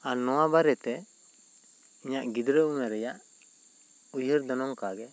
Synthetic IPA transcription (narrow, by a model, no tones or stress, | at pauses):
anɔwabaɾɛt̪ɛ | iɲaʔɡid̪ɾəumɛɾɛjaʔ | ujəɾd̪ɔnɔŋkaɡɛ